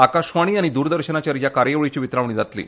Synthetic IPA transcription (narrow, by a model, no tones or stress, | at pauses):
akaɕʋaɽ̃iːaɽ̃id̪uːɾd̪əɾɕənat͡ɕaɾjakaɾjəʋɭit͡ɕiːʋit̪ɾaʋɳiːd͡zat̪lḭː